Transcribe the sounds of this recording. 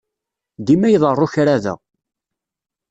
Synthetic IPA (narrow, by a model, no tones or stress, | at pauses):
d̪imæjðˤərˤːʊçɾaðə̰